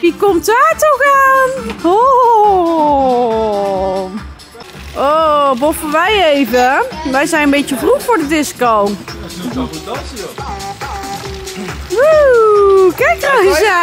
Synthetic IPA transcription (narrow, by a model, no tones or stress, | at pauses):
ʋikɔmtʋaːtɔxaːnho | obofəʋɛjejvəʋɛjzɛjnənmbetəfruxfʊɹdədɪskow | u | kɛkrajə